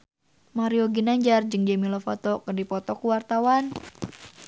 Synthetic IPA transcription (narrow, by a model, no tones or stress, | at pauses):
maɾioɡinaɲd͡ʒard͡ʒɨŋd͡ʒɛmilɔfɔt̪ɔkɨrdipɔt̪ɔkuwart̪awan